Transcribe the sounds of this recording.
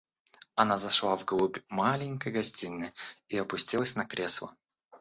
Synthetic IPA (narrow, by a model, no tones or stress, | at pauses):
ɐnazɐʂlˠavɡlˠubʲmalʲɪnʲkəjɡɐsʲtʲinʲːɨiɐpʊsʲtʲilˠəsʲnɐkɾʲeslˠə̰